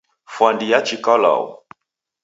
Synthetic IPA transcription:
fwandijat͡ʃikɔla̰ṵ

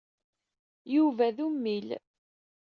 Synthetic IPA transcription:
juvæðumːil

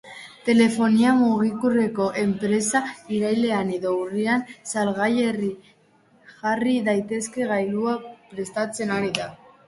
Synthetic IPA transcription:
t̪e̞le̞fo̞niamuɣ̞ikure̞ko̞ʔe̞mpɾe̞saiɾajle̞aneðowriansalɣaʎeri | xariðajt̪e̞ske̞ɣajluapɾe̞st̪at͡se̞naɾiða

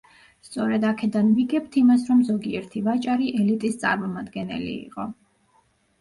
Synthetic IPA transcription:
st̪sʼɔɾɛd̪akʰɛd̪anviɡɛpt̪ʰimasɾɔmzɔɡiɛɾt̪ʰivat͡ʃʼaɾiʔɛlit̪ʼist̪sʼa̰ɾmɔmad̪ɡɛnɛ̰lḭḭqʼɔ

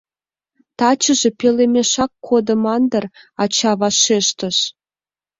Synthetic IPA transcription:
t̪ɑt͡ɕə̆ʒe̽pelemeʃɑkːʰod̪əmɑnd̪ərɑt͡ɕɑβɑʃeʃt̪əʃ

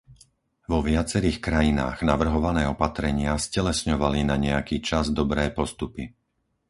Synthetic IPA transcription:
ʋɔʋɪat͡sɛɾiːxkɾajina̰ːɣnaʋr̩ɦɔʋanɛːɔpat̪ɾɛɲɪascɛlɛsɲɔʋalinaɲɛjakiːt͡ʃazd̪ɔbɾɛːpɔst̪upi

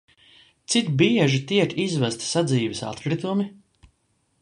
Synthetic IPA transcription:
t̪sit̪biɛʒit̪iɛkizvæst̪sad̪ziːvɛsa̰t̪kɾit̪umi

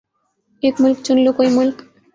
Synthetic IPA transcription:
ekmulkt͡ɕonlokojmulk

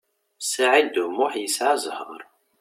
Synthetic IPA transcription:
saʕid̪ʊmʊħjəsʕazˤhəɾˤ

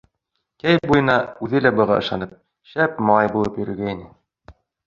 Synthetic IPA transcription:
kæj̚bujɤ̆nɑʉðɘlæbɤ̆ʁɑʔɤ̆ʃɑnɤp̚ | ʃæpmɑɑjbulˠɤpjɵ̆ɾɘ̆ɾɡæjnɘ

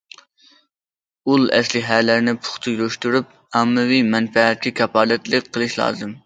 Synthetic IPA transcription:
ulˠɛ̰slɪɦælæɾnɪpʰʊ̥χt̪ʰɨjloʃt̪uɾyp̚ | ɑmːɨwimɛnfɛɛt̪̚kʲɛkʲʰɑpʰɑːd̪ɛt̪lɨk̚ʲqʰːəlˠɨʃlˠɑ̰ːzɨm

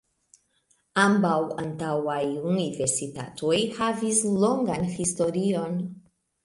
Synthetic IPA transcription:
ambawantawajunive̞ɾsita̰to̞jhavislo̞ŋɡanhisto̞ɾio̞n

